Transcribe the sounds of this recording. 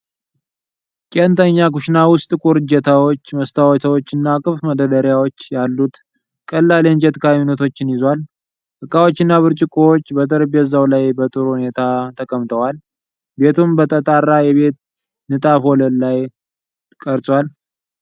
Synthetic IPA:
kʼent̪ʰəɲːakuʃnawʊst̪ʼɨkʼuɾɨd͡ʒət̪ʰawo̞t͡ʃːməst̪ʰawɔt̪ʰəwot͡ʃːɨnːakʼɨfməd̪əd̪əɾjawot͡ʃːjalːut̪ | kʼəlːalend͡ʒɛt̪kʰaminət̪ʰo̞t͡ʃːɪnjɪzwal | ʔɨkʼːawo̞t͡ʃːɪnːaβɨɾt͡ʃʼɪkʼowot͡ʃːbət̪ʰʼəɾbjɛzawlajbət̪ʼɨɾuhune̞t̪ʰat̪ʰəkʼəmt̪ʰəwal | be̞t̪ʰumbət̪ʼət̪ʼarːajɛβe̞t̪ | nɨt̪ʼafo̞ləllaj | kʼəɾsʼwal

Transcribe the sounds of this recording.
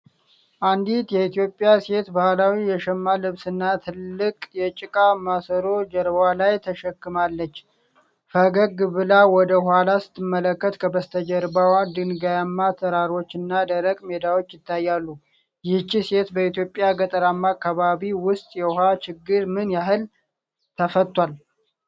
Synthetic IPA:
ʔand̪it̪jɛit̪ʰijo̞pʼːjase̞t̪bahlawijɛʃɛmːalɨβsɨnːat̪ʰɨlːɨkʼjɛt͡ʃʼɪkʼamasəɾo̞d͡ʒəɾβalajt̪ʰəʃəkːɨmalːət͡ʃː | fəɡəɡɨbɨlawɔd̪əhwhalasɨ̥t̪ʰːɨmːələkːət̪kʰəbəst̪ʰəd͡ʒəɾbawad̪ɨnɡajamːat̪ʰəɾaɾo̞t͡ʃːɨnːad̪əɾəkʼme̞d̪awo̞t͡ʃːjɪt̪ʰːajːalːu | jɪht͡ʃːise̞t̪bəit̪jo̞pʼːjaɡət̪ʼəɾamːakʰːaβaβiwʊst̪ʼjɛhat͡ʃɪɡːɨɾmɨnjaɦɨl | t̪ʰəfət̪ʼːwal

